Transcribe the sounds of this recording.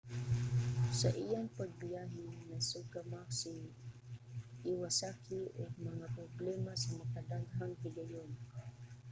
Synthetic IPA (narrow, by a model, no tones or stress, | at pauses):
saʔijaŋpaɡ̚bijaɦinasuɡamaksi | ʔiwasakilʊɡ̚mɐŋapɾoblɛmasamakad̪aɡhaŋhiɡajon